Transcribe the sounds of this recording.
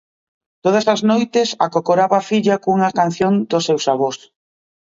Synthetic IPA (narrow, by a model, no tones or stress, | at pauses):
t̪oð̞ɐsaznojt̪ɪsakokoɾaβafiʎakuŋɐkan̟θjond̪ʊsewsaβos